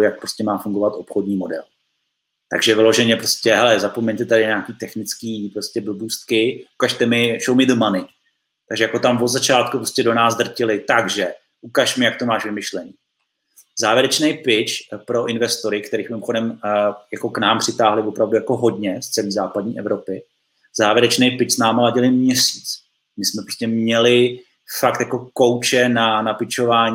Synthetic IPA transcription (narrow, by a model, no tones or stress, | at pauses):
jak̚pɾo̞scɛmaːfuŋɡovat̪ʔo̞pxo̞dɲiːmo̞dɛ̰l | t̪a̰ɡʒɛvɪlo̞ʒɛɲɛpɾo̞scɛɦɛlɛzapo̞mɛɲt̪ɛt̪adɪɲaːkiːt̪ɛxnɪt͡skiːpɾo̞scɛbobuːst̪̚kɪʔukaʃt̪ɛmɪʃowmɪdomanɪ | t̪aɡʒɛjako̞t̪amvozat͡ʃaːt̪kupɾo̞scɛdo̞naːzd̪r̩cɪlɪt̪aɡʒɛ | ʔukaʃmɪjak̚t̪o̞maːʃvɪmɪʃlɛɲiː | zaːvjɛɾɛt͡ʃnɛjpɪt͡ʃpɾo̞ʔɪnvɛst̪o̞ɾɪkt̪ɛɾiːxmɪmoxo̞dɛmjako̞knaːmpr̥ɪt̪aːɦlɪvopɾavdujako̞ɦo̞dɲɛst͡sɛliːzaːpadɲiːʔɛ̰vɾo̞pɪ | zaːvjɛɾɛt͡ʃnɛjpɪt͡ʃsnaːmalaɟɪlɪmɲɛsiːt͡s | mɪsmɛpɾoscɛmɲɛlɪ | fakt̪jako̞ko̞wt͡ʃɛnanapɪt͡ʃo̞vaːɲ